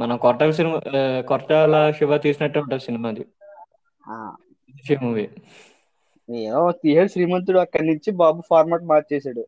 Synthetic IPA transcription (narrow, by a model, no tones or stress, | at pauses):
mɐnɐmkɔɾʈɐlɐs̬inikɔɾʈaːlɐʂiʋaːt̪iːsinɐʈːeːuɳʈaːmsinimaːd̪i | a̰ː | d̪ifiːmuːʋi | eːʋost̪iːɦɐɽsɾiːmɐnt̪̬ɾuɽuɐkːɐɽnuɲt͡ʃibaːbupʰaːɾmaːʈ̚maːɾt͡ʃɛːsaːɽu